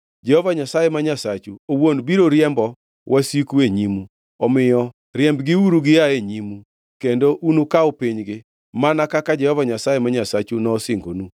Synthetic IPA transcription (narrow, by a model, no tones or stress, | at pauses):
d͡ʒɛhɔvaɲasajɛmaɲasat͡ʃuowonbiɾoɾjɛmbɔ | wʔasikueɲimu | ɔmɪjɔ | ɾjɛmbɡɪuɾuɡɪaeɲimu | kendoʔunukaopiɲɡɪ | manakakad͡ʒɛhɔvaɲasajemaɲasat͡ʃunɔːsɪŋɡonu